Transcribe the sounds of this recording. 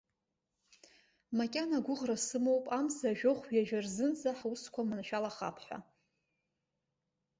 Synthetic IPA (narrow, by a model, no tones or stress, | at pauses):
makʲʼanaɡʷʊʁrasɨmowpʼamzaʒᶣoχʷɥjaʒᶣarzɨnd͡zaħuskʷʰamanʃᶣalaχa̰pʰħʷᶣa̰